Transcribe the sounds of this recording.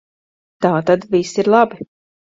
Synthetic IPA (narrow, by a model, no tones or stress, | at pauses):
t̪aːt̪ad̪visiɾlˠabi